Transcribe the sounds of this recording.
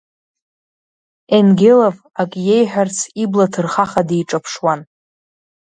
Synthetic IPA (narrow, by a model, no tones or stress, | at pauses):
enɡʲelov | akʼje̞jħʷᶣart͡sʰiblatʰɨrχaχadejʈ͡ʂʼapʰʂwan